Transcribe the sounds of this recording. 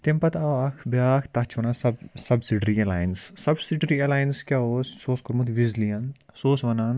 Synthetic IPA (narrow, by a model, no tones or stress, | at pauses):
t̪empɐt̪aʋɐkʰbjaːkʰt̪ɐt͡ʃʰʋɐnaːsɐbsɐbsiɖɾielaːjnsːɐbsiɖɾielaːjinskʲaːoːssoːskoɾmut̪ʋizlijɐnsoːsʋɐnaːn